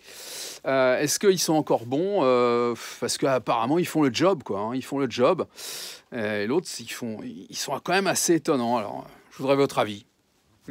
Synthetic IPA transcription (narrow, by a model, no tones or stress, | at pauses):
øɛskəilsɔ̃ɑ̃kɔʁbɔ̃øfpaʁsə̥kəapaʁamɑ̃ilfɔ̃ləd͡ʒɔbkwaɛ̃ilfɔ̃ləd͡ʒɔb | eelot̪χifɔ̃ilsɔ̃kɑ̃mɛmaseːt̪ɔnɑ̃alɔ̰ʁ̰ʒəvud̪ʁɛvɔt̪χavi